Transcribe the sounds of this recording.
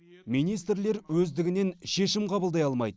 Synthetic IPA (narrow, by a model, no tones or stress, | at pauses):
mijnijst̪rle̞ɾwɵzd̪ɪɡʲɪne̞nʃe̞ʃɪmqʰɑbəlˠd̪ɑjɑlˠmɑjd̪ə